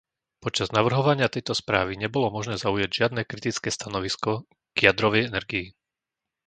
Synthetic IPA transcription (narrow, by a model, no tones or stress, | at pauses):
pɔt͡ʃaznaʋr̩ɦɔʋaɲɪat̪ɛjt̪ɔspɾaːʋiɲɛbɔlɔmɔʒnɛːzaujaɟʒɪad̪nɛːkɾit̪it͡skɛːst̪anɔʋiskɔ | ɡ̥ɪjad̪ɾɔʋɛjɛnɛɾɡii